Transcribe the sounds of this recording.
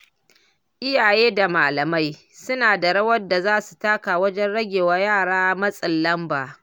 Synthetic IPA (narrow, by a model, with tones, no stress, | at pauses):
ʔɪ˦jaː˨jeː˦da˨maː˨lɐ˨ma˦j | sʊ˦naː˨da˨ɽɐ˦wɐ˦da˨zaː˦su̥˨taː˦ka˨wɐ˦d͡ʒɛ˦nɽɐ˦ɡʲeː˨waː˦jaː˦˨ɽaː˦mɐ˦sʼɪ˨lːɐ˦mbaː˨